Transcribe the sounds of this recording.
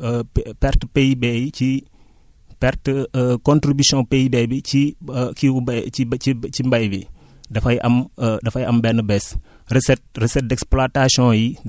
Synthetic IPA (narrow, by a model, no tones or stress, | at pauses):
ɛpɛɾtəpejbɛjici | pɛɾtːkɔ̃ntɾibisjɔ̃pejbɛːbit͡ʃikiubiit͡ʃimbɐjbi | dɐfɐjʔɐmdɐfɐjʔɐmbɛnəbɛs | rɛsɛt̚rɛsɛt̚dɛksplatasjɔ̃ji